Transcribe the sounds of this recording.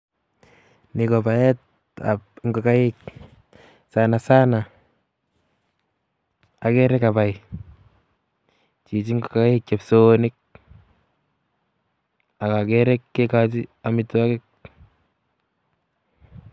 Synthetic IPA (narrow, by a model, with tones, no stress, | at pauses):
nikɔba˨jɛ˦t̚ | a̰pŋɡɔ˨ka˦jɪk | sanasa˦na | a˨kɛ˦ɾɛka˨pa˨j | t͡ʃi˨t͡ʃi˦ŋɡo˨ka˦jɪk̚t͡ʃapsonɪk̚ | a˨ka˨kɛɾɛkːe˦kat̬ia˦mɪtwa˦kɪ˦k̚